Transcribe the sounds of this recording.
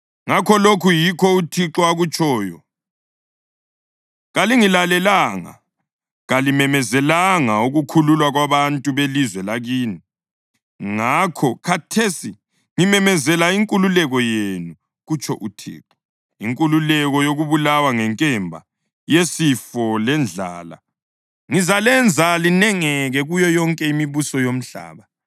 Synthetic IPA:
ŋakʰɔlokʰujikʰɔutʰiǁɔaɣut͡ʃʼʰɔːjɔ | ɣaliŋilalɛlaŋa̰ | ɣalimɛmɛzɛlaŋauɣukʰululwaɣwaβantʼuβelizwɛlaɣiːni | ŋakʰɔkʰatʰesi | ŋimɛmɛzɛlaiŋkʼululɛɣɔjenu | ɣut͡ʃʰʼɔ̰ʔutʰɛ̰ːǁʰɔ̥ | iŋkʼululɛɣɔjoɣuβulawaŋɛŋkʼɛmbʱa | jesifɔlɛnd͡ɮʱa̰ːla̰ | ŋizalɛnd͡zʱalinɛŋɛɣɛɣujɔjɔŋkʼɛimiβusɔjom̩ɬa̰ːβa

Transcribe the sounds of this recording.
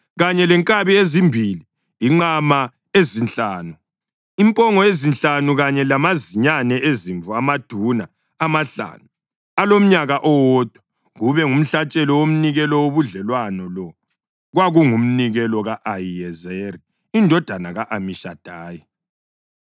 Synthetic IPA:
ɣaɲɛlɛŋkʼaβiezimbʱili | iŋ͡ǃama | ezint͡ɬʼaːnu | impʼɔŋɔezint͡ɬʼanuɣaɲɛlamaziɲanɛʔeziɱvuamad̥ʱunaː | maɬa̰ːnu | alom̩ɲaɣaʔɔwɔd̥ʱwa | ɣuβɛŋum̩ɬat͡ʃʼɛlɔwom̩niɣɛlɔwoβuɮɛlwanɔlɔ | ɣwaɣuŋum̩niɣɛlɔɣaʔajiɛzeɾi | indʱɔd̥ʱanaɣaʔamiʃad̥ʱaːji

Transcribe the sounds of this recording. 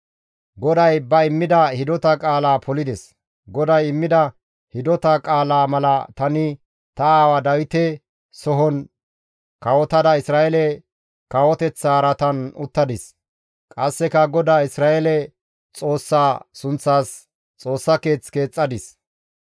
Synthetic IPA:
ɡɔd̪ɐjbɐɪmːɪd̪ɐhɪd̪ɔt̪ɐkʼaːlaːpʰɔlɪd̪ɛs | ɡɔd̪ɐjɪmːɪd̪ɐ | hɪd̪ɔt̪ɐkʼaːlaːmɐlɐt̪ɐnɪ | t̪ɐaːwad̪ɐwɪt̪ɛ | sɔɦɔn | kɐwɔt̪ɐd̪ɐɪsɾaːʔɛlɛ | kɐwɔt̪ɛt͡sːaːɾɐt̪ɐnʊt̪ːɐd̪ɪs | kʼɐsːɛkɐɡɔd̪aːɪsɾaːɛlɛ | t͡sʼo̞ːsːaːsʊnt͡sːaːs | t͡sʼo̞ːsːɐke̞ːt͡ske̞ːt͡sʼːɐd̪ɪs

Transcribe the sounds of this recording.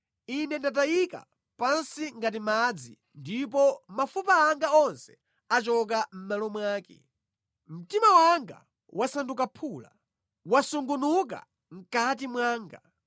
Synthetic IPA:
inɛndat̬ajika̰ | pansiŋɡat̬imad͡zi | ndipɔmafupaːŋɡaɔnsɛ̥ | at͡ʃɔk̬am̩malɔmwaːkɛ̰ | m̩timawaŋɡa̰ | wʔasandukapʰuːla̰ | wasuŋɡunuk̬a̰ | ŋ̩kat̬imwaːŋɡa̰

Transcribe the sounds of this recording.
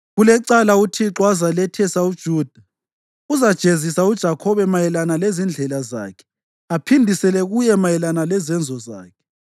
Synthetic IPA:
ɣulɛǀalautʰiǁwazalɛtʰɛsaud̥ʒ̥ʱuːd̥ʱa | uzad̥ʒ̥ʱezisaud̥ʒ̥ʱakʰɔβɛmajɛlanalezind͡ɮʱɛlaza̰ːkʰɛ̥ | apʰindʱisɛlɛɣujɛmajɛlanalɛzɛnd͡zʱɔza̰ːkʰɛ̥

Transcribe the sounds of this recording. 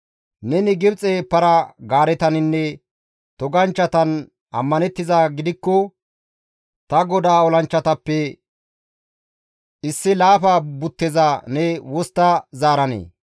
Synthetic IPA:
nɛnɪɡɪbt͡sʼeːpːɐɾɐɡaːɾɛt̪ɐnɪnːɛ | t̪ɔɡɐnt͡ʃːɐt̪ɐn | ɐ̰mːɐnɛt̪ːɪzaɡɪd̪ɪkːɔ | t̪ɐɡɔd̪aːɔlɐnt͡ʃːɐt̪ɐpːɛ | ɪsːɪlaːfaːbʊt̪ːɛzanɛwɔst̪ːɐzaːɾɐnḛː

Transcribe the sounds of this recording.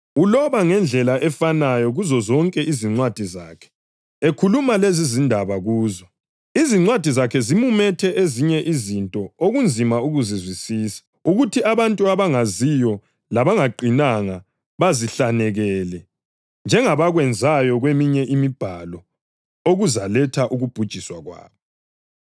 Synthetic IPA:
ulɔβaŋɛnd͡ɮʱɛlaʔɛfanajɔɣuzɔzɔŋkʼɛʔiziŋ͡ǀwad̥ʱizaːkʰɛ̥ | ekʰulumalezizindʱaβaɣuːzɔ | iziŋ͡ǀwad̥ʱizakʰɛzimumɛtʰɛʔeziɲɛʔizintʼɔoɣund͡zʱimauɣuzizwisiːsḁ | uɣutʰiaβantʼuaβaŋazijɔ | laβaŋaǃʱinaŋa | βaziɬanɛɣɛlɛ | nd͡ʒʱɛŋaβaɣwɛnd͡zʱajɔɣwemiɲɛʔimib̥ʱalɔ | oɣuzalɛtʰaʔuɣub̥ʱud̥ʒ̥ʱiswaɣwa̰ːβɔ

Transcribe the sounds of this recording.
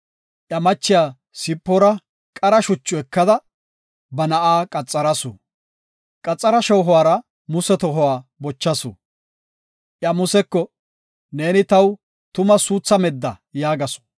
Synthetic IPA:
ʔjɐmɐt͡ʃːɪjaː | sɪpːɔɾɐ | kʼɐɾɐʃʊt͡ʃːʊɛkːɐd̪ɐ | bɐnɐʔaːkʼɐt͡sʼːɐɾɐsʊ̰ | kʼɐt͡sʼːɐɾɐʃɔwɦɔwaːɾɐ | mʊsɛt̪ɔɦɔwaːbɔt͡ʃːɐsʊ̰ | ʔjɐmʊsɛkːɔ | ne̞ːnɪt̪ɐw | t̪ʊmɐsuːt͡sːɐmɛd̪ːɐjaːɡɐsɔ̥

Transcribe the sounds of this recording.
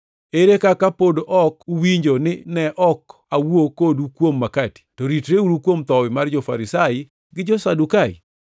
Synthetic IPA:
eɾekakapodoʔɔkuwiɲd͡ʒonɪnɛʔɔk | awokodukwomːakati̥tɔɾitɾeuɾukwomt̪ɔwɪmard͡ʒɔfa̰ɾɪsaɪ | ɡɪd͡ʒɔsadukaɪ̰

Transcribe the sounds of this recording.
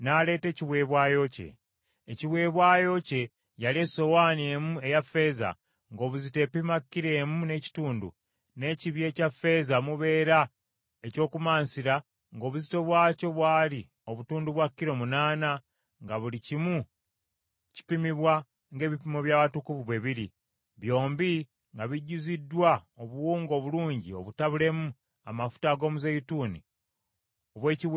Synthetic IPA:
nale̞ːte̞ːciβwe̞ːβwaːjo̞ce̞̰ː | ciβwe̞ːβwaːjo̞ce̞ | jalie̞so̞waːnie̞ːmue̞jafe̞ːza̰ | ŋɡo̞ːβuzite̞ːpimakːiɾe̞ːmune̞ci̥tuːndṵ | ne̞ciβje̞ːcafe̞zamuβe̞ːɾa | eco̞ːkumaːnsiɾa | ŋɡo̞ːβuzito̞βwaːco̞βwaːli | o̞βutuːnduβwakːiɾo̞munaːna | ŋɡaβulicimu | ci̥pimiβwa | ŋɡe̞ːβipimo̞βjaːβatukuvuβe̞βiɾi | βjo̞ːmbi | ŋɡaβiɟuzidːwaoβuwuːŋɡo̞βuluːɲɟio̞βutaβule̞mu | a̰mafu̥taɡo̞ːmuzejitunḭ | oβwe̞ːci

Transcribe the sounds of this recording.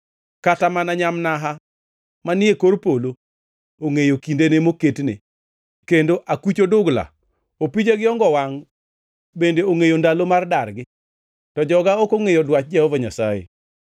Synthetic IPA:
katamanaɲamnaɦa | manɪekorpolo | oŋejokindenemoketnḛ | kendoʔakit͡ʃodʊɡla̰ | opid͡ʒeɡɪɔŋɡɔwaŋ | bendeoŋejondalomardarɡɪ | tɔd͡ʒɔɡaokoŋejodwat͡ʃ̚d͡ʒɛɔvɔɲasajḛ

